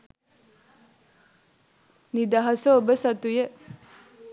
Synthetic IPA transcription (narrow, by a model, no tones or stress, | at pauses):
nid̪ɐɦɐsəobəsɐt̪uje